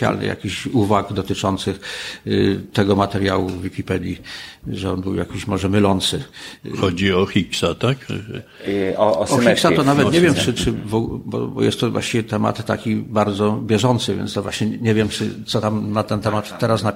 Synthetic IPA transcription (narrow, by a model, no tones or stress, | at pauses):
ja̰lnɨ̰ja̰kʲiɕuvaɡd̪ɔt̪ɘt͡ʂɔnt̪sɘx | t̪ɛɡɔmat̪ɛɾjawuvvʲːikʲipɛd̪ʲjiʐɛɔnbɘwja̰kʲiɕmɔʐɛmɘlɔnt̪sɘxɔd͡ʑiɔxʲiksat̪ak | ɔɔxiksat̪ɔnavɛt̪ɲevʲjɛmɘt͡ʂɘvɔbɔ̰bɔ̰jɛ̰st̪t̪ːɔvwa̰ɕt͡ɕivʲjɛt̪ɛma̰t̪ːakʲibaɾd̪zɔbʲjɛʐɔnt̪sɘvʲjɛ̰nt̪ɔvwa̰ɕɲɛɲɛvʲjɛmt͡ʂɘt̪sɔt̪amnat̪ɛnt̪ɛmat̪ːɛɾasna